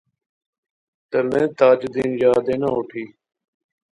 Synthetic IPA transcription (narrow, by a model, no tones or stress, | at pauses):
t̪əlẽːt̪aːd͡ʒd̪iːnjaːd̪eːnaːoːʈʰiː